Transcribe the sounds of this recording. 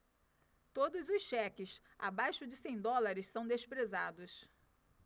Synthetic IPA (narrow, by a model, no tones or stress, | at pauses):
t̪od̪ʊzʊsʃɛkɪs | a̰bajʃʊd͡ʒɪsẽj̃d̪ɔlaɾɪssɐ̃w̃d̪espɾezad̪ʊs